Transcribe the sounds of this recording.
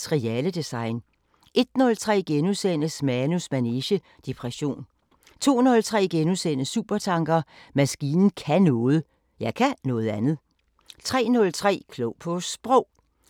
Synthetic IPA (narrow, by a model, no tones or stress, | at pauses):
ʁiɛləd̥esɑ̈ɪn | e̝d̥nɔ̽lt͡sʰʁɛ̰ːɡ̥enusen̰əsmænusmæneɕə | d̥ipʰʁɛɕo̝̰ːn | t͡sʰo̝̰ːnɔ̽lt͡sʰʁɛ̰ːɡ̥enusenəsːuːb̥ɐt͡sʰɑ̈ŋɡ̥ɐmæsɡ̥iːnn̩kʰænɔ̽ːð̞̩ˠ | jɑ̈ɪkʰænɔ̽ːð̩ˠænð̩ˠ | t͡sʰʁɛ̰ːnɔ̽lt͡sʰʁɛ̰ːkʰlɔʊpʰɔ̽sb̥ʁɔʊ̰